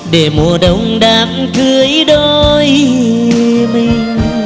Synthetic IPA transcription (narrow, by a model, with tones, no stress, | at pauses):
ɗe˧˩mu˧˨˩əɗə˧˩wŋ͡mɗaː˨˦m | kɨ˧˨əjɗo˧j | mi˧j